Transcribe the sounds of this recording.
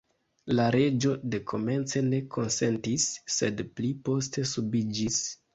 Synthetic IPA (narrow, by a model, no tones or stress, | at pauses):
laɾe̞d͡ʒo̞de̞kʰo̞me̞nt͡se̞ne̞kʰo̞nse̞ntisːe̞dplipo̞ste̞subid͡ʒis